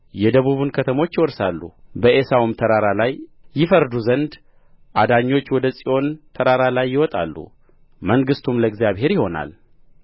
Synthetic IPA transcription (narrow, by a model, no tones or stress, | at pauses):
jɛd̪əβuβunkʰət̪ʰəmo̞t͡ʃːwɔɾsalːṵbəʔesawumt̪ʰəɾaɾalajːɪfəɾd̪uzənd̪ | ʔad̪aɲːo̞t͡ʃːwɔd̪əsʼiʔo̞nt̪ʰəɾaɾalajːɪwɔt̪ʼa̰lːṵ | məŋɡɨst̪ʰumləɡzijaβhe̞ɾjɪho̞na̰l